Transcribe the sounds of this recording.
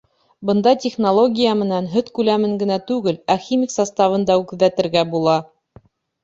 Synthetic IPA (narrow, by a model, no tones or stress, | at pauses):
bɤ̆nd̪ɑtʲɪχnolˠo̞ɡʲijamɘ̆nænɦɵt̪kʉlæmɘŋɡɘ̆næt̪ʉɡɘlæxʲimʲiksɑst̪ɑvɤ̆nd̪ɑʉkðæt̪ɘ̆ɾɡæbulˠɑ